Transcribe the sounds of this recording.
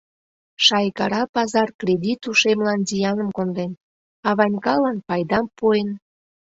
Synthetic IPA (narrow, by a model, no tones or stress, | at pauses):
ʃɑjkɑɾɑpɑzɑrkrʲed̪ʲit̪uʃemlɑnzijɑnəmkond̪en | ɑβɑnʲkɑlɑnpɑjd̪ɑmpuen